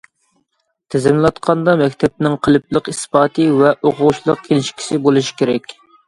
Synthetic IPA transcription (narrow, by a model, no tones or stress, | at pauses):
t̪ʰɛzɪmlˠɑt̪qʰɑnd̪ɑmɛkʲt̪ʰɛp̚nɪŋqʰəlˠɨp̚lˠəqispɑːt̪ʰɨvɛʔoqʰʊʁuʃlˠəq̚kʲʰelɪʃkʲʰi̥sɪbolˠɨʃi̥kʲeɾɛkʲ